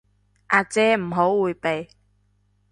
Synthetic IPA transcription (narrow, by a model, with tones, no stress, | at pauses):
ʔaː˨t͡sɛː˧m̩˨˩ɦo˨˥wːuː˨˧jpe˨j